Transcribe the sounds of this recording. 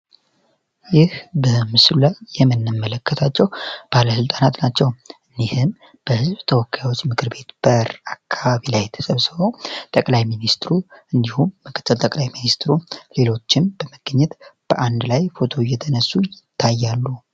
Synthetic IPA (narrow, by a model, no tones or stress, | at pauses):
jɪhbəmɨslulajːɛmːɨnːɨmːələkːət̪ʰat͡ʃːɛwb̥aləsɨlt̪ʼanat̪nat͡ʃːɛwʔɨndihɨm | b̥əhɨzβt̪ʰəwɔkːajawo̞t͡ʃːmɨkʰɨɾbe̞t̪b̥əɾakʰːaβaβilajɛt̪ʰə̥səβsɨβo̞t̪ʼəkʼlajminist̪ɾuʔɨnd̪ihumːɨkʰə̥t̪ʰʼːɨlt̪ʼəkʼlajminist̪ɾule̞lo̞t͡ʃːɪmb̥əməɡ̥ɲːɛt̪b̥əʔand̪lajfo̞t̪ʰo̞jɛt̪ʰənəsːujɪt̪ʰːajːalːu